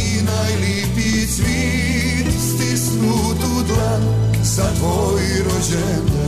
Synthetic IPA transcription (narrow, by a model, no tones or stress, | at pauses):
najlɛpi | sʋi | t̪st̪isnu | d̪ud̪la | zat̪ʋo | jiɾod͡ʑɛ | n